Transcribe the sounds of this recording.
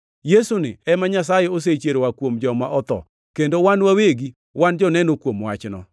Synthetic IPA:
jesunɪɛmaɲas̬ajɛos̬et͡ʃeɾowakwomd͡ʒɔma̰ʔɔt̪ɔ̰ | kendowanwaweɡi | wand͡ʒɔnɛnokwomwa̰t͡ʃnɔ̰

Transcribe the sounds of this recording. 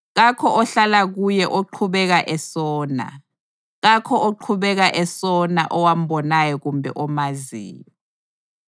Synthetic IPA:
ɣ̬akʰɔʔɔɬalaɣ̬ujɛʔoǃʰuɓɛk̬aʔɛsɔːna̰ | ɣakʰɔʔoǃʰuɓɛk̬aʔɛsɔnaʔɔwam̩ɓɔnajɔɣumbʱɛ̰ʔɔmazḭːmi

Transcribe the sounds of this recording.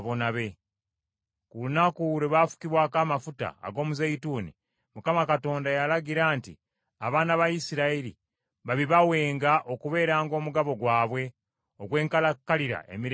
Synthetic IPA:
βo̞naβe̞ | kulunakuɾeβafu̥kiβwaːkaːmafuta̰ːɡo̞ːmuzajituːnḭ | mukamakato̞ːndajalaɡiɾaːntḭ | aβaːnaβajisiɾaiɾḭ | βaβiβawe̞ːŋɡaʔo̞kuβe̞ːɾaːŋɡo̞ːmuɡaβo̞ɡwaːβwe̞ | o̞ɡwe̞ːŋkalakːaliɾa̰ḛmiɾ

